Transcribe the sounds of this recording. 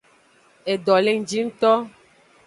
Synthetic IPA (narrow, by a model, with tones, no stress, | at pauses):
e˨ɖɔ˨le˦ŋ̩˨d͡ʒi˦ŋ̩˦t̪ɔ˦